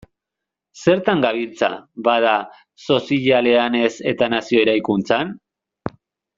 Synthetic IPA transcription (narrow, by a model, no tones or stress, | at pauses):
se̞ɾt̪aŋɡaβilt͡sa̰βað̞a | so̞siʎale̞ane̞se̞t̪anasio̞eɾajkunt͡san